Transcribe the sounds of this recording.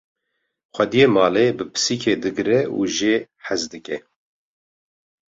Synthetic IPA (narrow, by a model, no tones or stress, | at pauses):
xʷɛd̪ijemɑːlebɨpʰɨ̥siːkʰeːd̪ɨɡɾɛṵʒeː | ħæzd̪ɨkɛ